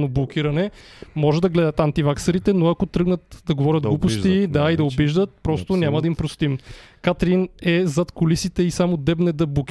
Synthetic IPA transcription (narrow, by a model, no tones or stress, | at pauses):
noblˠok̟ʲiɾɐnɛmɔʒɛd̪ɐɡlɛd̪ət̪ant̪ivaksɐɾit̪ɛnoɐkot̪ɾɤɡnət̪d̪ɐɡovɔɾʲət̪̚ɡlupost̪id̪aid̪ɐobiʒd̪ət̪̚pɾɔst̪ʊnʲamɐd̪ɐimpɾost̪imkat̪ɾinɛzɐt̪kolisit̪ɛisamod̪ɛbnɛd̪ɐblˠokʲ